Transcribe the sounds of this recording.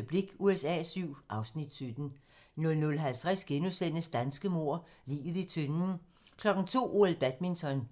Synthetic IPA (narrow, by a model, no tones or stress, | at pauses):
b̥liɡ̥uesɛ̰ːsyʊ̰ʔɑ̈ʊsnid̥sød̥n̩ | nɔ̽lnɔ̽lɦælt͡sʰʁasɡ̥enusen̰əsd̥ænsɡ̥əmo̝ɐ̰lḭːʋð̩ˠit͡sʰønn | kʰlɒ̽ɡ̥n̩t͡sʰo̝̰ːuelˠb̥æd̥minsɒ̽n